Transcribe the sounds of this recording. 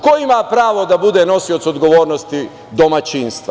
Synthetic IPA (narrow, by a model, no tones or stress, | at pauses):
koimapɾaːʋo̞d̪abud̪eno̞siot̪so̞d̪ɡo̞ʋo̞ːɾnost̪i | d̪o̞mat͡ɕiːnst̪ʋa